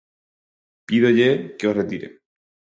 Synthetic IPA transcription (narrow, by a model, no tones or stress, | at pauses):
piðoʎekeosret̪iɾḛ